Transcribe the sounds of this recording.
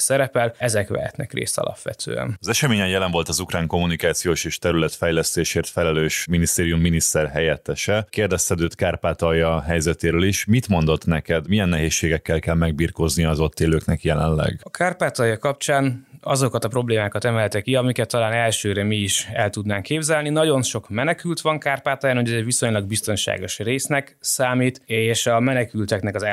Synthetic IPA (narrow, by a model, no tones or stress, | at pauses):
sɛɾɛpɛlɛzɛkʋɛ̰ɦɛ̰t̪nɛ̰krḛːst̪ɒ̰lʔɒ̰pʋɛ̰t̪ʰø̰ːɛ̰nɒzɛʃɛmeːɲɛjjɛlɛɱvo̞lt̪ɒzukraːŋko̞mːunikaːt̪sijoːʃeːʃt̪ɛɾylɛt̪fɛjlɛst̪eːʃeːrt̪fɛlɛløːʃminist̪eːɾijumːinist̪ɛrɦɛjɛt̪ːɛʃɛkeːrd̪ɛst̪ɛd̪øːt̪kaːrpaːt̪ɒjɒɦɛjzɛt̪eːɾøːliʃmit̪mo̞nd̪o̞t̪nɛkɛd̪mijɛnːɛɦeːʃːeːɡɛkːɛlkɛlmɛɡ̚biːrko̞znijɒːzo̞t̪ːeːløːknɛkjɛlɛ̰nlɛ̰ɡɒkʰaːrpaːt̪ɒjɒkɒp̚t͡ʃaːnɒzo̞kɒt̪ɒpro̞bleːmaːkɒt̪ɛmɛlt̪ɛkːiɒmikɛt̪ːɒlaːnɛlʃøːɾɛmiːʃɛlt̪ud̪naːŋkːeːbzɛlninɒɟo̞nʃo̞kmɛnɛkylt̪ʋɒŋkaːrpaːt̪ɔjaːnɦoɟɛzɛʋiso̞ɲlɒɡ̚bist̪o̞nʃa̰ːɡo̞ʃreːsnɛksaːmiːt̪eːʃɒmɛnɛkylt̪ɛknɛkɒz